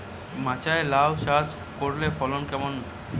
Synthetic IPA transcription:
mãt͡ɕaelawʃas | koɾlefɔlonkɛmon

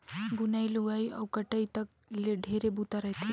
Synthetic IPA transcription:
bunailuʋaiɐ̰wkɐʈəit̪ɐk̚ | leɖʱeːɾebut̪aɾɐɦt̪ʰi

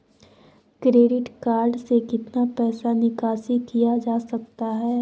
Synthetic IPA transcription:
kɾeːɖɪʈkaːɾɖsekɪt̪napɛːsanɪkaːsikijad͡ʒaːsɐk̚t̪aɦɛː

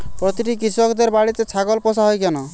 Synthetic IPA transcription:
pɾɔt̪iʈikisɔkd̪eɾbaɽit̪et͡ʃʰaɡɔlpɔsaɦɔjkɔnɔ

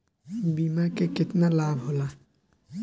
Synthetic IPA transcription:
bimaɾkekɪt̪nalabʱɦola

